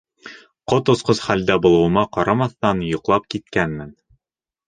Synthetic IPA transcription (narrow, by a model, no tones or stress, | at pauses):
qot̪ŏsqɤsχæld̪æbŏlˠɤ̆wɤ̆mɑqɒɾɑmɑθt̪ɑnjŏqlˠɑp̚kit̪kænmɘn